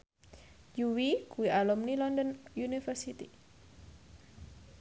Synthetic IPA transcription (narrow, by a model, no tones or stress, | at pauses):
juwikuwialumnilɔnd̪ɔnjunifərsit̪i